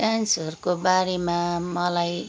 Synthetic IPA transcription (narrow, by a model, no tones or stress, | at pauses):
ʈansʌrkobaɾemamʌlaj